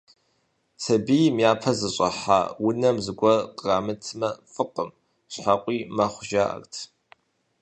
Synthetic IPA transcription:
tʰɐbijmjaːpʰɐzɨɕʼɐħa̰wʊnɐmzɨɡʷɔqʼraːmɨtʰɨmɐfɨqʼəm | ɕħaqʷʼiːmɐχʷʒa̰rtʰ

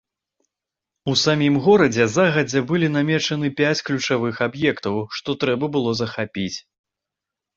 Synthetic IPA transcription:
usamʲimɣɔɾɐd͡zʲɛzaɣɐd͡zʲɛbɨlʲinamʲɛt͡ʂɐnɨpʲat͡sʲklʲut͡ʂavɨxabjɛkt̪ɐwʂt̪ɔt̪ɾɛbɐbɨlˠɔzɐxapʲit͡sʲ

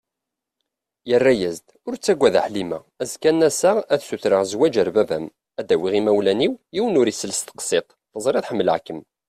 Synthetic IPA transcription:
jərːæjæzd̪ʊɾt͡sːæɡʷːæða̰ħlimæ̰ | æzkænæsaæθsuθɾaʁzwæd͡ʒəɾbævæm | æd̪æwiʁimæwlæniwiwənʊɾisələst̪ə̥qsˤɪq | θəzˤɾˤiθħəmːəlʕkəm

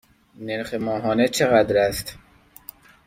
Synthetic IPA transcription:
neɾxemɒːɦɒːnet͡ʃʰeɣæd̪ɾæst̪

